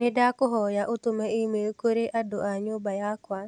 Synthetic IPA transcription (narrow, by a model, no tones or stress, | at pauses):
nɪdakoɦɔjaʔot̪omɛimeokoɾeʔadoʔaɲobajakwa